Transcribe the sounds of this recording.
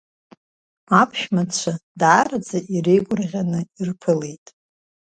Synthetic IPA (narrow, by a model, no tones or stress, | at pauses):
apʰʃmat͡ɕʷʰadaːɾad͡zaʔirejɡʷʼʊrʁʲanɨirpʰɨle̞jtʼ